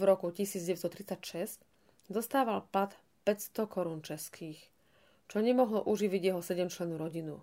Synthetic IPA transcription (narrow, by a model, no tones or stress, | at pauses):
vɾɔkucisiːd͡zɟɛʋɛst̪ɔt̪ɾit͡sacʃɛsc | zɔst̪aːʋalpat̪ | pɛcst̪ɔkɔɾuːnt͡ʃɛskʰiːx | t͡ʃɔɲɛmɔɦlɔʔuʒiʋiɟɪjɛɦɔsɛɟɛmt͡ʃlɛnːuɾɔɟinṵ